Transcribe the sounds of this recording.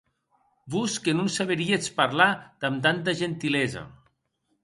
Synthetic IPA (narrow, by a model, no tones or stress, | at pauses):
buskenunsaβeɾiet͡spaɾlad̪̥amt̪ant̪̬aʒent̪ilɛzɐ̰